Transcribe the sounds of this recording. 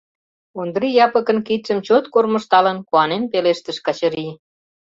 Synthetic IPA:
ond̪ɾijɑpə̆kə̆nkit̪ʃə̆mt͡ɕot̪kormə̆ʃt̪ɑlənkuɑnenpeleʃt̪ə̆ʃkɑt͡ɕə̆ɾi

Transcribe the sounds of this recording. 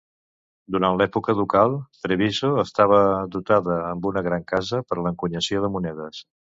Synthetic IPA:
d̪uɾanlɛpukəðukalˠt̪ɾeβizoəst̪aβ̞əd̪ut̪aðəːmbunəɣɾaŋkazəpəɾləŋkuɲəsjoðəmunɛðəs

